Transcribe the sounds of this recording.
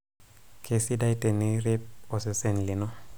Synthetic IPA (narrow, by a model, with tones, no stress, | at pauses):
kʰe˨si˦da˦jte˨ni˦ɾe˦p̚o˨se˨se˦nli˨no˦